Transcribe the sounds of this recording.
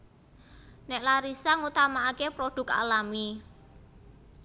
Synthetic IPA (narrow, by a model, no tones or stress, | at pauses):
nɛʔlaɾisaŋut̪amaakepɾoɖ̥ʊ̤ka̰lami